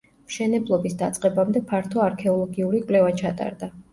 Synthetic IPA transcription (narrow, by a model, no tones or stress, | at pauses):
mʃɛnɛblˠɔbisd̪at̪sʼqʼɛbamd̪ɛpʰaɾt̪ʰɔaɾkʰɛɔlˠɔɡiuɾikʼwlɛvat͡ʃʰat̪ʼa̰ɾd̪a